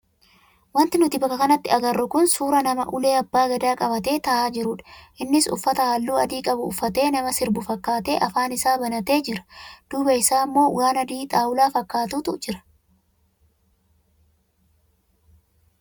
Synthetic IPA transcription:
wɐnt̪ɪnʊt̪ɪbɐkːɐkɐnɐt̪ːɪɐɡɐrːʊkʊnsuːɾɐnɐmɐ̰ʔʊle̞ːɐbːaːɡɐd̪aːkʼɐbɐt̪e̞ːt̪ɐʔaːd͡ʒɪɾʊᶑɐ̥ʔɪnːɪsʊ̰fːɐt̪ɐhaːlːuːɐd̪iːkʼɐbʊːfːɐt̪e̞ːnɐmɐsɪɾbʊfɐkːaːt̪e̞ːʔɐfaːnɪsaːbɐnɐt̪e̞ːd͡ʒɪɾɐ̥d̪̥uːbɐɪsaːmːo̞ːwaːnɐd̪iːt̪ʼaːwʊlaːfɐkːaːt̪uːt̪ʊd͡ʒɪɾɐ̥

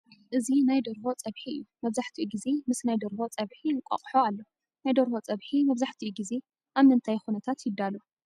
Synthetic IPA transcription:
ʔɨzinajd̪oɾbo̞t͡sʼɐβħiɨ̰jːumɐβzaħt̪ʰiʔuɡize̞mɨsnajd̪oɾbo̞t͡sʼɐβħiɨŋkʷʼa̰χʼħoalːo | najd̪oɾhot͡sʼɐβħimɐβzaħt̪ʰiuɡize̞ | ʔaβnɨnt̪ʰajxunɐt̪ʰat̪jɪd̪ːalo

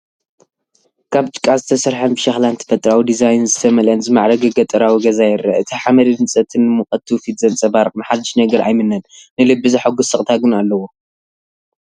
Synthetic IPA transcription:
kʰaβt͡ʃʼɨ̥kʼːazɨt̪ʰɐsɐɾħanbɨʃaxlant̪ʰɐ̥fɐt̪ʼɾawid̪izajnzɨt̪ʰɐmɐlʔɐnzɨmaʕɾɐɡɐɡɐt̪ʼɐɾawiɡɐzajɪɾɐɨt̪ʰiħamɐɾidɨnt͡sʼɐt̪ʰɨnːɨmɨχʼɐt̪ʰːɨwfid̪zɐlt͡sʼɐbaɾqʼnɨħad̪ːɨʃnɐɡɐɾʔa̰jmɨnːɐnnɨlɨbːɨzaħaɡusɨkʼt̪ʰaɡɨnalːɐwo

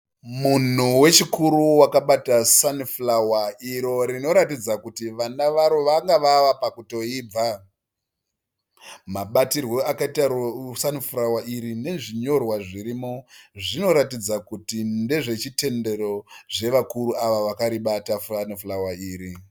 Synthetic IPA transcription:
mun̤uwe̞t͡ʃikuɾuwakaɓatasanifulawaiɾo̞ɾino̞ɾatid͡zakutiʋanaʋaɾoʋaŋɡaʋaʋapakuto̞iːb͡va | maɓatirwo̞akaitasanifurawaʔiɾine̞ʐiɲo̞rwaʐiɾimoʐino̞ɾatid͡zakutinde̞ʐe̞t͡ʃite̞nde̞ro̞ʐe̞ʋakuɾuaʋaʋakaɾiɓatafanifulawaiːɾi

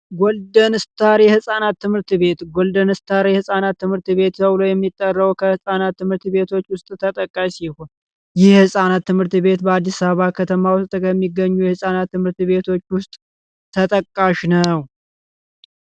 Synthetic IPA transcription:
ɡold̪ənɨst̪ʰaɾjɛhɨsʼanat̪ːɨmhɨɾt̪βe̞t̪ɡold̪ənɨst̪ʰaɾjɛhɨsʼanat̪ːɨmhɨɾt̪βe̞t̪t̪əwlojɛmːit̪ʼːərːəwkʰəhɨsʼanat̪ːɨmhɨɾt̪βe̞t̪ʰo̞t͡ʃːwʊst̪ʼt̪ʰət̪ʼəkʼːasihon | jɪhhɨsʼanat̪ːɨmhɨɾt̪βe̞t̪bəad̪ːisaββakʰət̪ʰəmawʊst̪ʼkəmːiɡːəɲːujɛhɨsʼanat̪ːɨmhɨɾt̪βe̞t̪ʰo̞t͡ʃːwʊst̪ʼ | t̪ʰət̪ʼəkʼːaʃnəw

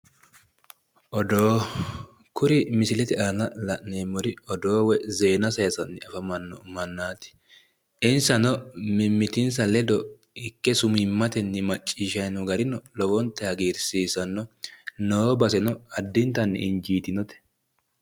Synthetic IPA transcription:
ʔɔd̪oː | kʊɾɪmɪsɪlɛt̪ɛʔaːnɐlɐʔneːmːɔɾɪɔd̪oːwɛze̞ːnɐsɐjɐsɐnːɪɐfɐmɐnːɔmɐnːaːt̪ɪ̥ | ɪnsɐnɔmɪmːɪt̪ɪnsɐlɛd̪ɔ | ɪkːɛsʊmɪmːɐt̪ɛnːɪmɐt͡ʃʼːiːʃɐjnɔɡɐɾɪnɔlɔɡɔnt̪ːɛɐɡiːɾsiːsɐnːɔnoːbɐsɛnɔɐd̪ːɪnt̪ɐnːɪ̰ɪnd͡ʒiːt̪ɪnɔt̪ɛ̥

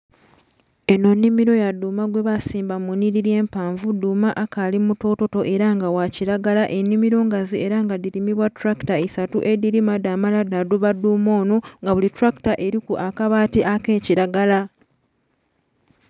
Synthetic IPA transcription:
eno̞nːimiɾo̞jadːuːmaɡwe̞βasiːmbamuniɾije̞ːmpaːɱvuduːmaʔakalimuto̞ːto̞to̞ʔe̞ɾaŋɡawaciɾaɡalaʔe̞nːimiɾo̞ŋɡazie̞ɾaŋɡadiɾimiβwatuɾaki̥taesatuʔe̞diɾimadaːmaladaduβadːuːmo̞ːno̞ŋɡaβulituɾaki̥taʔe̞ɾikuʔakaβaːtiʔake̞ːciɾaɡala

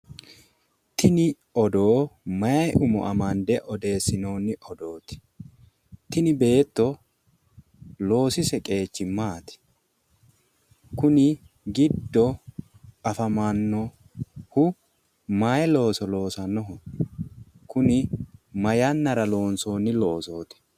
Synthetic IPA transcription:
t̪ɪnɪ | ɔd̪oːmɐjɐjʔʊmɔ̰ʔɐmɐnd̪ɛʔɔd̪e̞ːsːɪno̞ːnːɪʔɔd̪o̞ːt̪ɪ̥ | t̪ɪnɪbe̞ːt̪ːɔ | lo̞ːsɪsɛkʼe̞ːt͡ʃːɪmaːt̪ɪ̥ | kʊnɪ | ɡɪd̪ːɔ | ɐfɐmanːɔ | hʊ | majɛlo̞ːsɔlo̞ːsɐnːɔɦɔ | kʊnɪmɐjɐnːɐɾɐlo̞ːnso̞ːnːɪlo̞ːso̞ːt̪ɪ̥

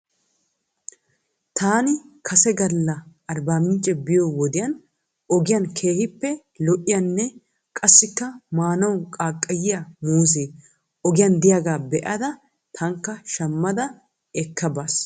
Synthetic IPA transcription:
t̪ʰaːnɪkʰɐsɛɡɐlːɐɐɾbaːmɪnt͡ʃʼːɛbɪjoːwɔd̪ɪjɐn | ɔɡɪjɐnkʰeːhɪpːɛ | lɔʔɪjɐnːɛ | kʼɐsːɪkːɐmaːnɐwkʼaːkʼːɐjɪjamuːs̬eː | ɔɡɪjɐnd̪ɪjaːɡaːbɛʔɐd̪ɐ | t̪ʰɐŋkːɐʃɐmːɐd̪ɐ | ɛkːɐbaːs

